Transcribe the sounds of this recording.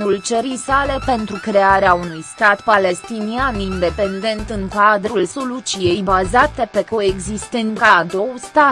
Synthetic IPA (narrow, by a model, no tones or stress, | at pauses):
ult͡ʃəɾijsale̞pe̞nt̪ɾukɾe̞aɾeaunujst̪at̪pale̞st̪inianind̪e̞pe̞nd̪e̞nt̪ɨŋkad̪ɾulso̞lut͡ʃije̞jbazat̪e̞pe̞ko̞e̞ɡzist̪enkad̪o̞wst̪a